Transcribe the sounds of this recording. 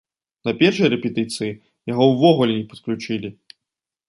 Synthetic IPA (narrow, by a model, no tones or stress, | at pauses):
nɐpʲɛrʂɨjɐɾɛpʲɛt̪ɨt̪sɨji | jaɣɔwvɔɣulʲɛnʲɛpɐ̥t̪klʲut͡ʂɨlʲi